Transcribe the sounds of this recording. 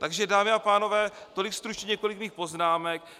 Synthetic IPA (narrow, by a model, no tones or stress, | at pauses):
t̪aɡʒɛdaːmɪapaːno̞vɛːt̪o̞lɪkst̪ɾut͡ʃɲɛɲɛkolɪkmiːxpo̞znaːmɛk̚